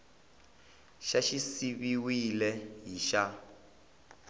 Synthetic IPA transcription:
ʃaʃisiβiwilɛɦiʃa

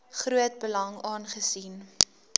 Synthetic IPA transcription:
χruət̚bəlɐŋɑːnχəsin

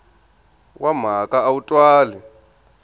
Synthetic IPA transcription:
wʔam̤akaːutʼwaːli

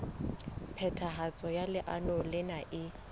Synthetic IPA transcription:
pʰɛtʰaɦat͡sʼɔjalɪʔanɔlɪnaʔɪ

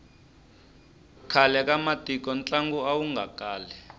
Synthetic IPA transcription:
kʰalɛkamatʼik̬ʼɔnt͡ɬʼaŋɡuawuŋɡʱakaːlɛ

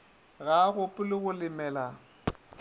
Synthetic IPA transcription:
ɣaɣʊpʼʊlɪɣʊlɪmɛːla

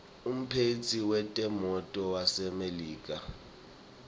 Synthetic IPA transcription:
um̩pʰet͡sʰiwɛtʼɛmɔtʼɔwasɛmeliːk̬ʼa

